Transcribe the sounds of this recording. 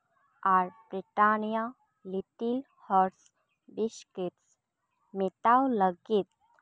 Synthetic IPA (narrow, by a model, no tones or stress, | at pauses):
aɾbɾiʈanja | lit̪il | hɔɾs | biʃkit̪s | mit̪awləɡit̪̚